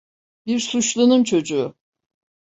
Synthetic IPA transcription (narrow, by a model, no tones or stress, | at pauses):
biɾsuʃlˠunɯnt͡ʃʰo̞d͡ʒuː